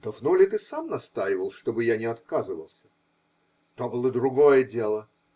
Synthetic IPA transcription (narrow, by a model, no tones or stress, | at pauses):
t̪ovnulʲɪt̪ɨsamnɐst̪ajɪvəlˠʂt̪obɨjanʲɪɐt̪kazɨvə̰lˠsʲə̥ | t̪obɨlˠəd̪ɾʊɡo̞jədʲe̞lˠə